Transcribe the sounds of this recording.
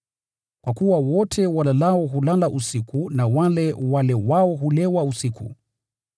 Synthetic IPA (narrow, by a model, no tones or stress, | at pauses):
kwakuwawɔtʰɛwalalaɔɦulalaʔusikunawalɛwalɛwaɔɦulɛwausiku